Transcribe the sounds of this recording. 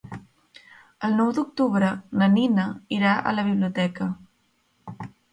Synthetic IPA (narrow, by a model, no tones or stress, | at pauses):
əlˠnɔwd̪uk̚t̪uβɾənəninəiɾaʔə̰ləβ̞iβliut̪ɛkə